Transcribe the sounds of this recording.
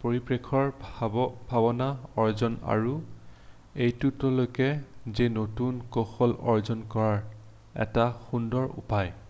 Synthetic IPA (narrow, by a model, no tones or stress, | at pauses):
poɹipɹekʰɔɹ | bʱabɔnaɔɹzɔna̰ɹu | ejtutɔlojkɛzenotunkoxɔlɔɹzɔnkɔɹaɹ | ɛ̰taxundɔɹṵpaj